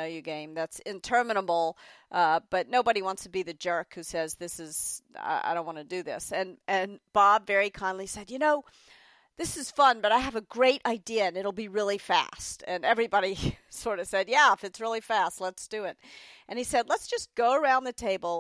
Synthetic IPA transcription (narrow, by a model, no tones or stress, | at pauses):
jɨɡẽɪ̃mðætsɪ̃ntʰɜ˞mɨñəbl̩ˠʔʌb̥ʌtⁿnoʊbɨɾiwɑ̃ntstʰɨbiðɨd͡ʒɜ˞khʉsɛzðɪsɨz̥a̰ɪa̰ɪɾõʊ̃nʔwɑ̃nɨdɨðɪsɨ̃nɨ̃nb̥ɑbvɛɹikʰãɪ̃ndˡlisɛd̚jɨnoʊ | ðɪsɨz̥fʌ̃nbʌɾaɪɨvɨɡɹeɪɾʔaɪdiɨɨ̃nɨɾl̩ˠbiɹɪlˠifæ̰stɨ̃nɛvɹibɑɾisɔɹɾʌv̥sɛd̚jæɪfɨtsɹɪlˠifæstˡlətsd̥ɨɪt̚ʔɨ̃nisɛdˡlətsd̥ʒ̥ʌsɡ̥oʊə˞ãʊ̃nðɨtʰeɪbl̩ˠ